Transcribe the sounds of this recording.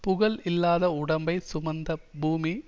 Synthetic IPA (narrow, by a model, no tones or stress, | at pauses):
pʊɣɐɭɪlːaːðɐʊɽɐmbɐɪsʊmɐnd̪ɐbuːmi